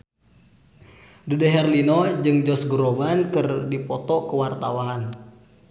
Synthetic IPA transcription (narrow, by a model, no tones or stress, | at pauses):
dudɛɦɛrlinɔd͡ʒɨŋd͡ʒɔsɡuɾobankɨrdipɔt̪ɔkəwart̪awaːn